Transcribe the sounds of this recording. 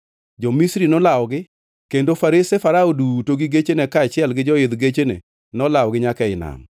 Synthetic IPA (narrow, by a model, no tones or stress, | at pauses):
d͡ʒɔmisɾinɔlawɡɪ | kendofaɾesefaɾaodutoɡiɡet͡ʃenɛkaːt͡ʃɪɛlɡɪd͡ʒɔɪd̪ɡet͡ʃenḛ | nɔlawɡɪɲakɛɪna̰m